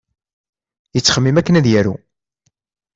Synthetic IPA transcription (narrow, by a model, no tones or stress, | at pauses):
jət͡sːχəmːimækːənæðjæɾṵ